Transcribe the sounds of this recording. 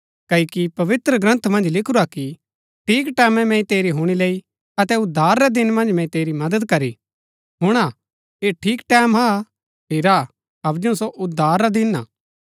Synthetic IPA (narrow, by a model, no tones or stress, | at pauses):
kɐːikipɐʋɪt̪ɾəɡɾɐ̃nt̪ʰmɐ̃nd͡ʒlɪkʰʊɾaki | ʈʰiːkʈɛːmɛ̃mɛ̃ĩt̪eːɾiɦʊɽ̃ileːi | ɐt̪ɛʊd̪ʱːaːɾːɛd̪ɪnmɐ̃nd͡ʒmɛ̃ĩt̪eːɾimɐd̪əd̪̚kɐɾi | ɦʊɽ̃a | eːʈʰiːkʈɛːmɦa | pʰɪɾa | ɐbd͡ʒũsoʔʊd̪ʱːaːɾːad̪ɪna̰ː